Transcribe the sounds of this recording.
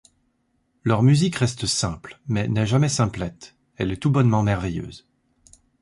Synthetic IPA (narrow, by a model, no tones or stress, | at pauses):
lœʁmyzikʁɛst̪əsɛ̃plmɛnɛʒamɛsɛ̃plɛt̪ | ɛlɛt̪ubɔnmɑ̃mɛʁvejø̰ːz